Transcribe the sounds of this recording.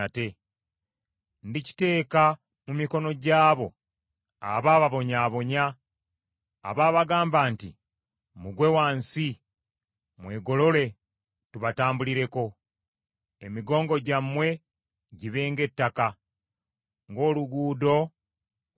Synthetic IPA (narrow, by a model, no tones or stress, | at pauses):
te̞ | ndici̥te̞ːka | mumiko̞no̞ɟaːβo̞ | a̰βaːβaβo̞ɲaːβo̞ɲa | βaːβaɡaːmbaːnti | muɡwe̞waːnsi | mwe̞ːɡo̞lo̞le̞ | tuβataːmbuliɾe̞ko̞ | emiɡo̞ːŋɡo̞ɟamːwe̞ | ɟiβe̞ːŋɡe̞tːaka | ŋɡo̞ːluɡuːdo̞